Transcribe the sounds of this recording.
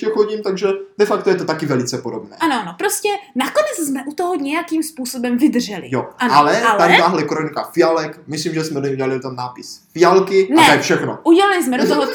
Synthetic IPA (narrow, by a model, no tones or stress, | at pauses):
ɛxxoɟiːmt̪aɡʒɛd̥ɛfakt̪ojɛt̪ot̪akɪvɛlɪt͡sɛpodobnɛ̰ːʔanoʔanopɾoscɛnakonɛt͡szmɛʔut̪oɦoɲɛjakiːmspuːso̞bɛmvɪd̪rʒɛlɪ̰joʔanalɛlt̪aɲt̪aɦlɛkɾonikafɪjalɛkmɪsliːmʒɛsmɛdoɲɛuɟɛlalit̪annaːpɪsfɪalkɪnaɛɛɛfʃɛxnoʔuɟɛlalɪsmɛɾozovo